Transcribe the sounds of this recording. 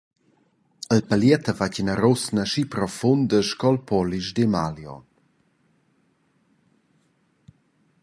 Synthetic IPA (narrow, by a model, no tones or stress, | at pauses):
əlpəljɛt̪əvacənaɾɔsnəʃipɾɔfund̪əʃkɔlpʰɔliʃd̪emaljɔ̰